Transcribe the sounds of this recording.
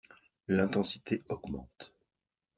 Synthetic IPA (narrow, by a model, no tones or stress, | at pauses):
lɛ̃t̪ɑ̃si̥t̪eʔɔɡmɑ̰̃t̪